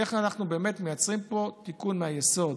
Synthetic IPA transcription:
eχanaχnubeːmet̪mejat͡sʁimpo̞t̪ikunmehajeso̞d

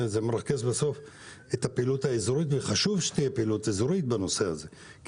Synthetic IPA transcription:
zemeɾake̞zbaso̞f | et̪apeːlut̪haezuɾit̪veχaʃuvʃe̥t̪ijepeːlutezuɾit̪̚bano̞se̞haze̞ | k

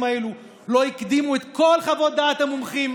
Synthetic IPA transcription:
maelu | lo̞ikd̪imuet̪ko̞lχavo̞t̚d̪at̪hamumχim

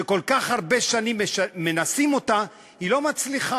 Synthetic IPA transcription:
eko̞lkaχhaʁbe̞ʃanimːe̞nasimo̞ta | hilo̞mat͡sliχa

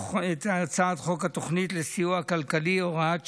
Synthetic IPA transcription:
et̪at͡saːd̪χokat̪oχnit̪lesiuakalkalioʁaa

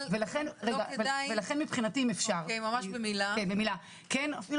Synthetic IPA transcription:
velaχenʁeɡavevelaχe̞nmipχinatimefʃaʁemamaʃbemilaenbemila | kenafil

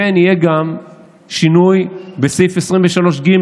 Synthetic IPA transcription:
enijeɡam | ʃinujbesejfesʁimveʃalo̞ʃɡim

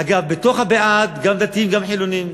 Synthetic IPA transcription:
aɡavbet̪o̞χhabeʔat̪ɡamd̪at̪iimɡamħilonim

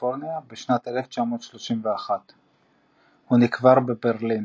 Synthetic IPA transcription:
foʁniabeʃnat̪eleft͡ʃamo̞ːt̪ʃloʃimveaχat̪ | hunikvaʁbebeʁlin

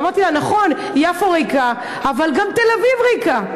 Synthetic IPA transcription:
maʁt̪ilanaχo̞n | jafoʁejka | avalɡamt̪elavivʁejka

